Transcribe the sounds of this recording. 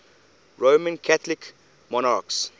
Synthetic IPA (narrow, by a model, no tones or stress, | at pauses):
ɹomə̃nkʰatlik | mɔnaks